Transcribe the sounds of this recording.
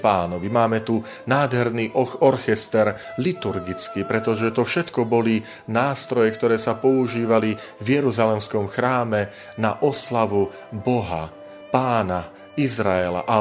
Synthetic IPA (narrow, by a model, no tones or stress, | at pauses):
paːnɔʋimaːmɛt̪u | naːd̪ɦɛɾniːɔɾxɛst̪ɛɾ | lit̪uɾɡit͡skipɾɛt̪ɔʒɛt̪ɔfʃɛt̪kɔbɔli | naːst̪ɾɔjɛkt̪ɔɾɛːsapɔuʒiːʋalivjɛɾuzalɛmskɔmxɾaːmɛ | naʔɔslaʋu | bɔɦa̰ | paːna | izɾaɛla̰ʔa